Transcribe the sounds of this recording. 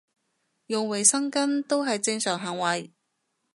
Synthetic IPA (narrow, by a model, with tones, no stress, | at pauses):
jʊ˨ŋwe˨˩jsɐ˥ŋkɐ˥nt̪o˥wɦɐ˨jt͡sɪ˧ŋsœː˨ŋɦɐː˨˩ŋwɐ˨˩j